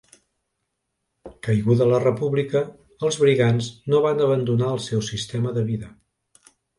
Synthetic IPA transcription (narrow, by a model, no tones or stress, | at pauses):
kəjɣuðələrəpuβlikə | əlˠzβɾiɣanznoβanəβənd̪unaəlˠsɛwsist̪ɛməðəβiðə